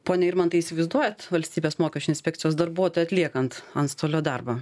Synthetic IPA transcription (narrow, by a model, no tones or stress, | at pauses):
poːnʲɛɪɾmɐnt̪ɐɪisʲɪʋɐɪzd̪uɔjɛt̪ʋɐlʲsʲt̪ʲiːbʲeːsmoːkʲɛʃt͡ʃʲʊnsʲpʲɛk̚t̪sʲɪjoːsd̪ɐrbuɔt̪oːjɛɐt̪ʲlʲiɛkɐnt̪ɐnst̪oːlʲoːd̪ɐrbɐ